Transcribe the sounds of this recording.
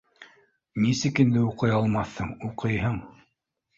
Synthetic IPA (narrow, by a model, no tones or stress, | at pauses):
nisɘkɘ̆nd̪ɘuqɤjɑlˠmɑθːɤɴuqɤjɦɤɴ